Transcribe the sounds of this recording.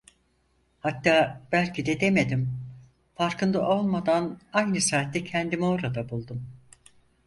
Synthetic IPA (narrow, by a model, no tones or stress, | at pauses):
hat̪ːaːb̥ælʲcʰid̪ɛd̪e̞me̞d̪im | faɾkɯnd̪aʔo̞lˠmad̪anajnɯsaːt̪ːɛcʰɛnd̪imo̞ɾad̪abulˠd̪um